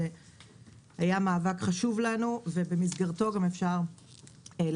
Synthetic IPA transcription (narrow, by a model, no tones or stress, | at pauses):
e | hajamaːvakχaʃuvlanuve̞be̞misɡaʁto̞ɡamefʃaʁ | e